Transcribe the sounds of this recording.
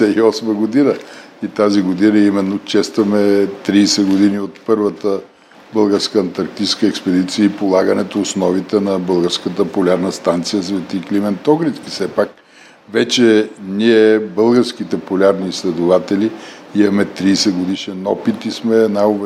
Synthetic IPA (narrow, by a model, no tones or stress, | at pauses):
ɛiɔsməɡod̪inə | it̪aziɡod̪inəimɛnːot͡ʃɛst̪vɐmɛt̪ɾiːsɛɡod̪iniot̪pɤɾvət̪ə | bɤlˠɡəɾskəɐnt̪ɐɾk̚t̪it͡ʃskəɛkspɛd̪it̪sijəipolˠaɡənɛt̪oːsnɔvit̪ɛnɐbəlˠɡəɾskət̪əpolʲaɾnəst̪ant̪sijəsvɛt̪iklimɛnt̪ɔɡɾit̪skisɛpak̚ | vɛt͡ʃɛnʲiɛbɤlˠɡəɾskit̪ɛpolʲaɾniːslɛd̪ʊvat̪ɛliimɐmɛt̪ɾiːsɛɡod̪iʃɛnɔpit̪ismɛːnaob